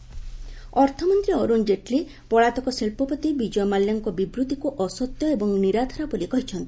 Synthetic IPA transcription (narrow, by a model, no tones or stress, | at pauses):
ɔɾt̪ʰɔmɔnt̪ɾiɔɾund͡ʒeʈli | pɔɭat̪ɔkɔselpɔpɔt̪ibid͡ʒɔjmaljaŋkɔbibɾut̪ikuʔɔsɔt̪jɔebɔŋniɾad̪ʰʱɔɾabɔlikɔɦit͡ʃʰɔnt̪i